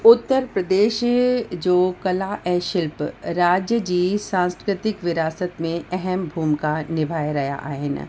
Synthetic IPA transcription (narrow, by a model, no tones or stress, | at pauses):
ʊt̪ːəɾpɾəd̪eːʃd͡ʒoːkɐlaʔɛ̃ʃɪlpɾaːd͡ʒjəd͡ʒiːsãːnskkɾɪt̪ɪkʋɪɾaːsət̪mẽɛɦɛmbʱuːmkanɪbʱaːjɾɐja̰ʔa̰ːɦɪn̰